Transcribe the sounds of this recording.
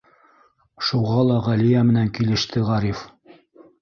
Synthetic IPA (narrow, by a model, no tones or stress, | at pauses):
ʃuʁɑlˠɑʁælijæmɘ̆næŋkilɘ̆ʃt̪ɘʁæɾif